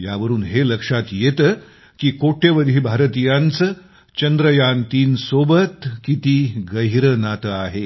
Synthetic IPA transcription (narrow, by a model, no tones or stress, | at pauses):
jaʋəɾuːnɦeləkʂat̪jet̪ə | kiːkoʈʰeʋəd̪ʱiːbʱaɾt̪ijant͡sə | t͡ɕənd̪ɾəjant̪iːnsobət̪kit̪iːɡəɦiɾənat̪əaɦe